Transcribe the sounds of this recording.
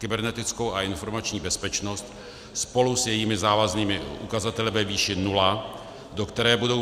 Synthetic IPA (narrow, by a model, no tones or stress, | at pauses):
kɪbɛɾnɛt̪ɪt͡skowaɪnfo̞ɾmat͡ʃɲiːbɛspɛt͡ʃnost̪ | spo̞lusjɛjiːmɪzaːvazniːmɪʔukazat̪ɛlɪvɛviːʃɪnula | do̞kt̪ɛɾɛːbudo̞